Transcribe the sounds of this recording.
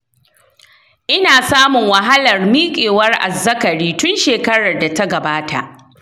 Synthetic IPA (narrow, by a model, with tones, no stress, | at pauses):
ʔɪ˦naː˨saː˦mʊ˨ŋwɐ˨ɦa˦lɐ˨rmiː˦kʲʼeː˨wɐ˦rʔa̰˨zːɐ˦kɐ˨ɽiː˦tʊ˦nʃeː˨kɐ˦ɽɐ˨rda˨ta˦ɡɐ˨baː˦ta̰˨ʔ